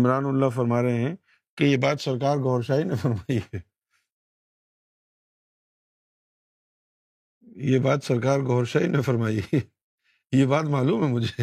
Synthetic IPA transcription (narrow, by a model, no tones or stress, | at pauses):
mɾaːnʊlːafɐɾmaːɾeɦɛ̃ | kejebaːt̪sɐɾkaːɾɡɔːɾʃaːinɐ̃fɐɾmaːi | jebaːt̪sɐɾkaːɾɡɔːɾʃaːinɐfɐɾmaːi | jebaːt̪maːluːmɦɛmʊd͡ʒʱe